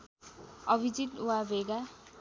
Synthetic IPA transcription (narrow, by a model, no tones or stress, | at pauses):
ʌbʱid͡zit̪uwabʱeɡa